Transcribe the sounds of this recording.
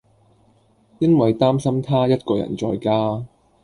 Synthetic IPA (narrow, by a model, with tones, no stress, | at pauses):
jɐ˥nwɐ˨jt̪aː˥msɐ˥mt̪ʰaː˥jɐ˥t̚kɔː˧jɐ̰˨˩nt͡sɔː˧jkaː˥